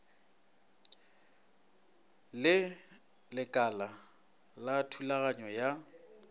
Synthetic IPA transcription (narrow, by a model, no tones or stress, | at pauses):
lɪ | lɪkʼala | latʰulaɣaɲɔja